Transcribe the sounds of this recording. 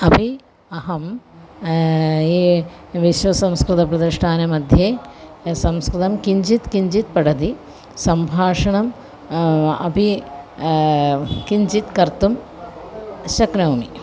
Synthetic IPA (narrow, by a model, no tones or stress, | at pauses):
ɐpi | ɐɦɐm | eʋiʃʋɐsɐ̃mskɾit̪ɐpɾɐd̪iʂʈʰaːnɐmɐd̪ʱjeːsɐmskɾit̪ɐmkiɲd͡ʒit̪kiɲd͡ʒit̪̚pɐɽɐd̪i | sɐmbʱaːʂɐɳɐm | ɐ̰pi | kiɲd͡ʒit̪kɐɾt̪um | ʃɐknɐːmi